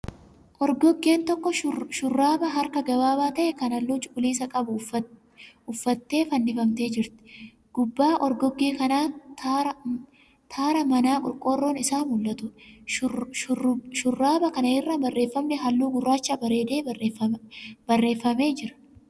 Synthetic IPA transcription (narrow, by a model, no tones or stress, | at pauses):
ʔɔɾɡɔɡːe̞ːnt̪ɔkːɔʃʊrːaːbɐɦɐɾkɐɡɐbaːbaːt̪ɐʔɛkɐnɐlːʊt͡ʃʼʊkʼʊliːsɐkʼɐbʊ | ʊfːɐt̪ːe̞ːfɐnːɪfɐmt̪e̞ːd͡ʒɪɾt̪ɪ̥ | ɡ̥ʊbːaːʔɔɾɡɔɡːe̞ːkɐnaːt̪ː | t̪ʰaːɾɐmɐnaːkʼʊɾkʼoːrːo̞ːnɪsaːmʊlːɐt̪ʊ | ʃʊrːaːbɐkɐnɐɪrːɐbɐrːe̞ːfːɐmnɛɦɐlːuːɡʊrːaːt͡ʃːabɐɾe̞ːd̪e̞ːɐbɐrːe̞ːfːɐme̞ːd͡ʒɪɾɐ̥